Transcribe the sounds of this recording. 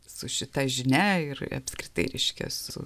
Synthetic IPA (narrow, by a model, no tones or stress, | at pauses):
sʊʃʲɪt̪ɐʒʲɪnʲæɪɾ̰ɐ̰pʲskɾʲɪt̪ɐɪɾʲɛɪʃʲkʲɛ̰sʊʊ̰